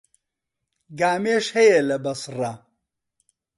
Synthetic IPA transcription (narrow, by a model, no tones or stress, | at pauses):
ɡaːmeːʃhɐjɐlɐbɐsrɐ